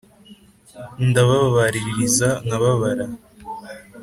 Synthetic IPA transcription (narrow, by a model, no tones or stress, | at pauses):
ndaβaβaβaɾiɾiɾizanaβaβaɾa